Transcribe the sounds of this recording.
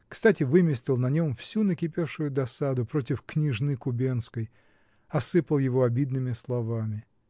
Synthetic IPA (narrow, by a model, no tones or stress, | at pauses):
kst̪atʲɪvɨmʲɪsʲtʲɪlˠnɐnʲo̞mfsʲunəkʲɪpʲe̞fʂʊjʊd̪ɐsad̪ʊpɾo̞tʲɪfknʲɪʐnɨkʊbʲenskəj | ɐsɨpəlˠjɪvo̞ɐbʲid̪nɨmʲɪslˠɐvamʲɪ